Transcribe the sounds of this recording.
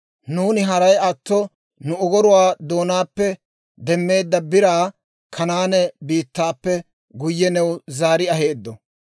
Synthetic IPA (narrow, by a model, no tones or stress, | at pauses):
nuːnɪɦɐɾɐjɐt̪ːɔ | nʊɔɡɔɾʊwaːd̪o̞ːnaːpːɛ | d̪ɛmːe̞ːd̪ːɐbɪɾaː | kʰɐnaːnɛbiːt̪ːaːpːɛ | ɡʊjːɛnɛwʊzaːɾɪɐɦeːd̪ːɔ